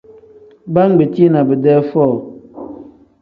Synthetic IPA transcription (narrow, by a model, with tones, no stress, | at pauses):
ba˦ŋ˦ɡ͡be˨te˦na˨bə˨dɛ˦fɔ˦˨